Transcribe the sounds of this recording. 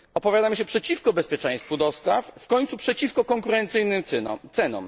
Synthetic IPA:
ɔpɔvʲjad̪amɘɕɛpʂɛt͡ɕifkɔbɛspʲjɛt͡ʂɛ̃j̃st̪fud̪ɔst̪affkɔɲt̪supʂɛt͡ɕifkɔkɔŋkuɾɛnt̪sɘjnɘmt̪sɛnɔ̰m

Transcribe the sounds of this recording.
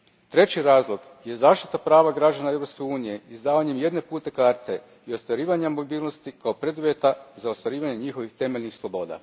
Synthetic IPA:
t̪ɾe̞t͡ɕiɾaːzlˠo̞ɡ | je̞zaːʃt̪i̥t̪apɾaːʋaɡɾad͡ʑanae̞ʋɾopskeuːnije̞izd̪aːʋaɲe̞mje̞d̪ne̞puːt̪e̞kaɾt̪e̞ | io̞st̪ʋaɾiːʋaɲamːo̞biːlˠno̞st̪ikaopɾe̞d̪uʋje̞t̪azaost̪ʋaɾiːʋaɲe̞ɲixo̞ʋixt̪e̞melnixslˠo̞bo̞ːd̪a̰

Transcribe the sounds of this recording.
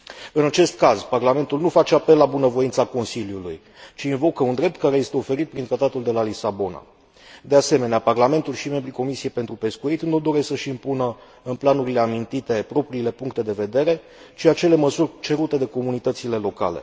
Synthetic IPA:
ɨnat͡ʃe̞st̪kazparlame̞nt̪ulnufat͡ʃe̞ape̞lːabunəvo̞int̪sako̞nsiljuluj | t͡ʃiːnvo̞kəund̪ɾe̞p̚t̪̚kaɾeje̞st̪e̞o̞fe̞ɾit̪̚pɾint̪ɾat̪at̪uld̪e̞lalisabo̞na̰ | d̪e̞ase̞me̞neaparlame̞nt̪ulʃime̞mbɾiko̞misie̞jpe̞nt̪ɾupe̞skuit̪nud̪o̞ɾe̞ssəʃiːmpunə | ɨnplanuɾile̞amint̪it̪e̞pɾo̞pɾiːle̞puŋkt̪e̞d̪e̞ve̞d̪e̞ɾe̞ | t͡ʃiat͡ʃe̞le̞məsurʲt͡ʃe̞ɾut̪e̞d̪e̞ko̞munit̪ət̪sile̞lo̞ka̰le̞̰

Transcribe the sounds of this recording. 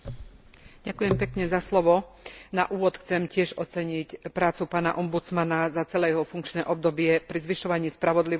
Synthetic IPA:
ɟ̥akujɛmpɛkɲɛzaslɔʋɔnaʔuːʋɔt̪xt͡sɛmcɪɛʒɔt͡sɛɲicpɾaːt͡supaːnaʔɔmbut͡smanazat͡sɛlɛːjɛɦɔfuŋkt͡ʃnɛːʔɔb̚d̪ɔbɪɛpɾizʋiʃɔʋaɲɪiːspɾaʋɔd̪li

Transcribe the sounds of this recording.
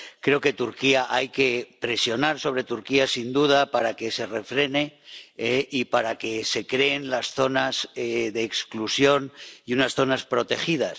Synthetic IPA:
kɾe̞oke̞t̪uɾkiaʔajke̞pɾe̞sjo̞naɾso̞β̞ɾe̞t̪uɾkiasind̪uð̞apaɾake̞se̞re̞fɾe̞ne̞eʔipaɾake̞sekɾe̞ːnlasθo̞nazeðe̞ːksklusjo̞niunasθo̞naspɾo̞t̪e̞xið̞a̰s

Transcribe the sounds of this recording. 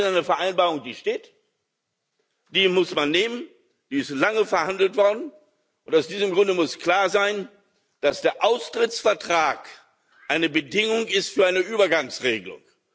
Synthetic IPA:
naɪnəfɛɐʔaɪnbaːʁʊŋd̥iːʃteːt | d̥iːmʊsmanːeːmən | d̥iːɪstlaŋəfɛɐhandl̩tv̥ɔɐdn̩ | ʔʊntaʊsd̥iːzəmɡʁʊndəmʊskl̥aːɐzaɪn | d̥asd̥eːɐʔaʊstʁ̥ɪt͡sfɛɐtʁ̥aːk | ʔaɪnəbədɪŋʊŋɪstfyːɐʔaɪnəʔyːbɐɡaŋsʁeːɡəlʊ̰ŋ

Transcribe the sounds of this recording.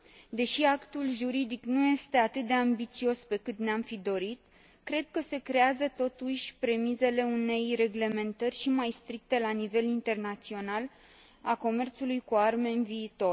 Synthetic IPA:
d̪e̞ʃiakt̪ulʒuɾid̪iknuje̞st̪e̞at̪ɨt̪̚d̪e̞ambit̪sio̞spe̞kɨt̪neamfid̪o̞ɾit̪ | kɾe̞d̪̚kəse̞kɾe̞azət̪o̞t̪uʃʲpɾe̞mize̞le̞une̞jre̞ɡle̞me̞nt̪ərʲʃimajst̪ɾik̚t̪e̞lanive̞lint̪e̞rnat̪sio̞nal | ako̞me̞rt̪sulujkuarme̞ɨnviːt̪o̞r

